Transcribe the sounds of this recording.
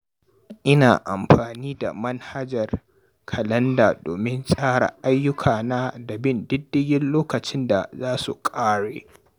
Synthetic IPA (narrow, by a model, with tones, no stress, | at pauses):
ʔɪ˦na̰ː˨ʔa̰˨mɸaː˨niː˦da̰˨mɐ˦nha˦d͡ʒɐ˨r | kʰɐ˨lɐ˦ndaː˨doː˨mɪ˦nsʼaː˦ɽa̰˨ʔa˦jːʊ˦kʰaː˨naː˦da˨bɪ˦˨ndɪ˦dːɪ˦jɪ˦nloː˦kɐ˨t͡ʃɪ˦nda˨zaː˦sṵ˨kʼaː˦ɽḛː˨